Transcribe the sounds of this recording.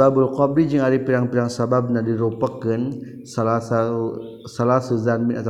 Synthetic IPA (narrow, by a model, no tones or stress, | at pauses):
abulqɔbid͡ʒəŋadipiɾaŋpiɾaŋsabab̚nadiɾopəkːən | salasa | salasuzanminat̪